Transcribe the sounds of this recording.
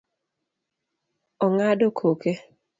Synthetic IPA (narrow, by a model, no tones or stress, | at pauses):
ɔŋadokʰoke